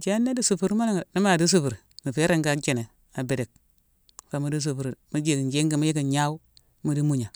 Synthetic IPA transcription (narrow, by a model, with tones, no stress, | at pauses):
d͡ʒe˦nːa˦di˦su˨fu˨ɾma˦la˦ŋ˨ni˦ma˨di˦s̬u˦fu˨ɾmi˨fe˦ɾe˦ŋɡa˦t͡ʃe˨ne˨ | a˨be˨de˨k̚ | fa˨mu˦di˦s̬u˨bu˨ɾmu˦d͡ʒe˨ki˨nd͡ʒe˦ŋɡi˨mi˦ji˦ki˨ɲa˦wu˦ | mu˨di˦mu˦˨ɲa˨